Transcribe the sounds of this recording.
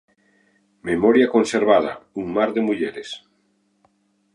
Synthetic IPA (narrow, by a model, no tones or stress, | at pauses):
memɔɾjakonseɾβaðɐ̰uŋmaɾðemuʎeɾes